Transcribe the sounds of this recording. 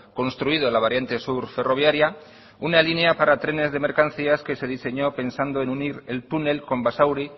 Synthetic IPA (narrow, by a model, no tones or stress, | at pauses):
ko̞nst̪ɾuiðolaβ̞aɾjant̪e̞suɾfe̞ro̞β̞jaɾja | unalineapaɾat̪ɾe̞ne̞zðe̞me̞ɾkan̟θiaske̞se̞ð̞ise̞ɲo̞pe̞nsand̪oe̞nuniɾe̞lt̪une̞lko̞mbasawɾi